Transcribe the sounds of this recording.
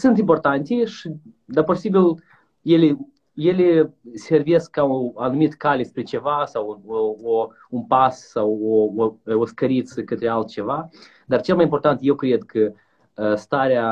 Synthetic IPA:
sunt̪import̪ant̪ʲiʂi | d̪aposibil | jele | jelesʲervieskːaoanumit̪kalʲespɾet͡ʃevasawoo | unpassawooskəɾit̪səkət̪ɾealt̪̚t͡ʃeva | d̪art͡ʃelmajimpo̞rt̪ant̪jewkɾed̪kʰə | st̪aɾea

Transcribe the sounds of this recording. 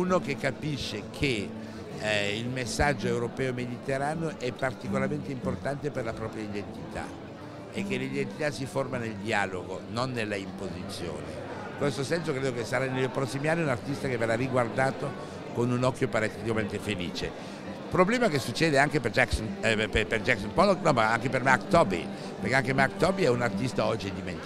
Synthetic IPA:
unokekːapiʃːekʰe | ilmesːad͡ʒːoewɾopɛːomed̪it̪eɾaːneoʔɛpːart̪ikolaɾment̪eimport̪ant̪eperlapɾɔːpɾjaid̪ent̪it̪a̰ | ekːelid̪ent̪it̪asːiformaneld̪iaːloɡononːelːaimpozit̪sːjo̰ːnḛiŋkwest̪osɛnsokɾeːd̪okesaɾanːelpɾɔsːimianːiunart̪ist̪akevːeɾariɡward̪aːt̪o | konunɔkːjopaɾat̪ːet̪ikament̪efelḭːt͡ʃe | pɾoblɛːmakesut͡ʃːɛːd̪eaŋkeped͡ʒɛksonpeperd͡ʒɛksompɔloknɔmaaŋkepermarkt̪ɔbḭ | peɾkeaŋkemarkt̪ɔbiɛunart̪ist̪aɔd͡ʒːid̪iment̪

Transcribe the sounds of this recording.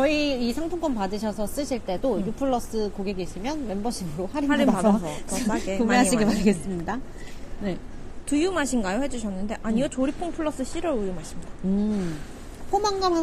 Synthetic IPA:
t͡ɕʌiːsʰaŋpʰuŋk͈ʰʌnpadɯɕʰʌsʰʌs͈ɯɕʰiɭt͈e̞dojupʰɯɭːʌs͈ɯkoɡeɡeɕʰimjʌnme̞mbʌɕʰimɯɾohaɾiɾiasʰʌomeɦaiɡepaɾɡes͈ɯmɲida | ne̞ | tujumaɕʰinɡajohe̞d͡ʑuɕʰʌnːɯnde̞ʔaɲiot͡ɕoɾipʰoŋpʰɯɭːʌs͈ɯɕ͈iɾʌɾujumɦaɕʰimɲidaɯ | pʰomaŋɡamɦa

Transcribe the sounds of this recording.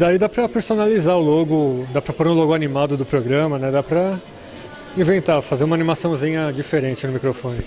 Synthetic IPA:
d̪aid̪apɾɐpeɾsonalizaʊloɡʊd̪apɾɐpoɾũloɡʊanimad̪ʊd̪ʊpɾoɡɾɐ̃mɐnɛd̪apɾɐ | ĩvẽnt̪afazeɾũmɐanimasɐ̃w̃zĩɲɐd͡ʒifeɾẽnt͡ʃɪnʊmikɾofõnɪ

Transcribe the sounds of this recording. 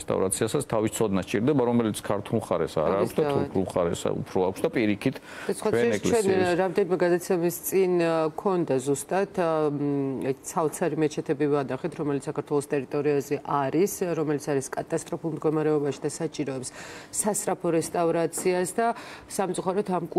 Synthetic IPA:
st̪ʼa̰vɾa̰t̪sʰiasatsʰt̪ʰavist̪sʰɔd̪nast͡ʃʼiɾd̪ɛbaɾɔmɛlit̪sʰkʰaɾt̪ʰulˠχaɾɛsa̰ɾaːksd̪auuχaɾɛ̰sṵpʰɾɔakʰsd̪apʼiɾikʰit̪ʰ | d̪at͡ʃsχwad̪ʰɛɛkʼlt͡ʃɛɛnɾamd̪ɛnimɛɡad̪at̪sʰɛmist̪sʼinkʰɔnd̪azust̪ʼat̪ʰ | t̪sʰavt̪sʰaɾimɛt͡ʃʰɛt̪ʰɛbivad̪aχɛt̪ʰɾɔmɛlit̪ssakaɾt̪ʰwɛlˠɔst̪ʼɛɾit̪ʼɔɾiazɛʔaɾisɾɔmɛlit̪sʰaɾiskʼat̪ʼast̪ʼɾɔpʰulˠmd̪ɡɔmaɾɛɔbaʃi̥d̪asat͡ʃʼiɾɔɛpssast̪ʼɾapʰɔɾɛst̪ʼavɾat̪sʰiasd̪asamt̪sʼuχaɾɔt̪ʰamkʼ

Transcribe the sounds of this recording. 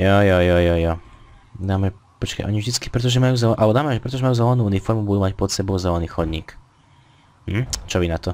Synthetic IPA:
jɔjɔjɔjɔjɔd̪aːmɛpɔt͡ʃka̰jʔɔɲivʒd̪it͡ski̥pɾɛt̪̬ɔʒɛmajuːzɛlɛʔalɛbɔd̪aːmɛʒɛpɾɛt̪ɔʒɛmajuːzɛlɛnuːunifɔɾmubud̪uːmacpɔt̪sɛbɔʊzɛlɛniːxɔd̪ɲḭːk | t͡ʃɔʋinat̪ɔ

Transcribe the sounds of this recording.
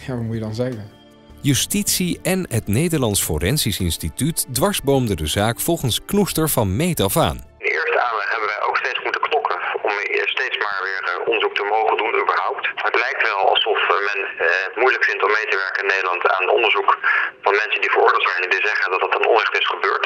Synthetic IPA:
jaʋamujədɑnzɛjkə | jystitsiɛnɦətnejdəɹlɑnsfo̰rɛnsisɪnstitytdʋɑɹzbowmdədəzaːkfɔlˠχənsknustəɹvɑnmejtɑfa̰ːn | ɪndəɪːɹstəaːnlɛχɦɛbəʋɛjʔo̰wkstejtsmutəknɔkʰəɔmstejtsmaːɹʋɪːɹʔɔ̰ndəɹzuk̚təmowχəndunybəɹɦɔwp̚tɦətlɛjk̚tʋɛlˠɑ̰lˠsɔfmɛnətmujləkfɪntɔmːejtəʋɛɹkənɪnːejdəlɑnta̰ːnəɔ̰ndəɹzukfɑnmɛnsəndivəɹʊɹdɪːlˠtsɛjnɛndizɛχəndɑtɑtənɔ̰nrɛχtɪsχəbøːɹt

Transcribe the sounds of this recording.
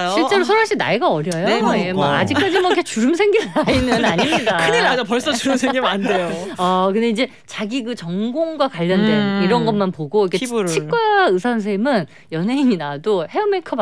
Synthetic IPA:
ɕʰiɭt͡ɕ͈e̞ɾosʰʌɾaɕ͈ʰina̰eɡaʌɾjʌjoemwʌa̰d͡ʑikk͈ad͡ʑimʌkʰet͡ɕuɾɯmsʰe̞ŋɡiainɯnaɲimɲidakʰɯɲilad͡ʑʌpʌɭs͈ʌt͡ɕuɾɯmsʰeŋɡimandejoʌkɯnde̞id͡ʑe̞ | t͡ɕaɡikɯt͡ɕʌŋɡoŋɡwakwaʎːʌndweiɾʌnɡʌnmanpoɡoikʰet͡ɕʰik͈waɯsʰans̬ʰeɭmɯn | jʌnɦeiŋinadohe̞ʌmekʰʌb

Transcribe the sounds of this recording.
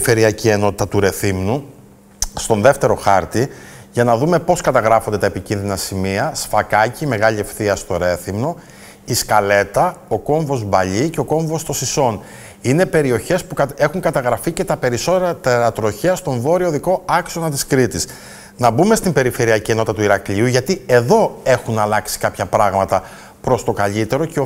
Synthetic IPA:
fe̞ɾiɐcie̞no̞t̪it̪ɐt̪uɾe̞θimnu | st̪o̞nðe̞ft̪e̞ɾo̞xɐɾt̪i | ʝɐnɐðume̞po̞skɐt̪ɐɣɾɐfo̞nd̪eepicinðinɐsimiɐsfɐkɐcime̞ɣɐʎie̞fθiɐst̪o̞ɾe̞θimno | iskɐle̞t̪ɐoko̞ɱvo̞zbɐʎiceo̞ko̞ɱvo̞st̪o̞siso̞n | ine̞pe̞ɾio̞çe̞spuexuŋkɐt̪ɐɣɾɐfice̞t̪ɐpe̞ɾiso̞t̪eɾɐt̪eɾɐt̪ɾo̞çeɐst̪o̞ɱvo̞ɾio̞ðiko̞ɐkso̞nɐnt̪iskɾit̪is | nɐbume̞st̪imbe̞ɾife̞ɾiɐcieno̞t̪ɐt̪uiɾɐkʎiuʝɐt̪ie̞ðo̞e̞xunɐlɐksi̥kɐpçɐpɾɐɣmɐt̪ɐ | pɾost̪o̞kɐʎit̪e̞ɾo̞ceo

